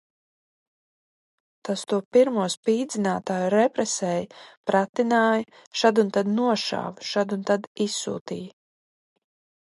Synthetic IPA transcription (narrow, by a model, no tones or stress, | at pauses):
t̪ast̪uɔpiɾmuɔspiːd̪zʲinaːt̪aːjuɾɛpɾɛsɛjpɾat̪inaːj | ʃad̪unt̪ad̪nuɔʃa̰ːvʃad̪unt̪ad̪isːṵːt̪ḭːj